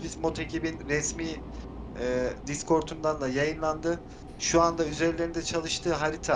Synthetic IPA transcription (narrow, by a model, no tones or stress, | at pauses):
bizmo̞t̪ʰecibinɾɛsmiː | d̪iskʰo̞ɾt̪ʰund̪anlˠajajɯnlˠand̪ɯ | ʃuand̪ayzeɾilʲe̞ɾind̪ɛt͡ʃʰalˠɯʃt̪ʰɯːɦaɾit̪ʰa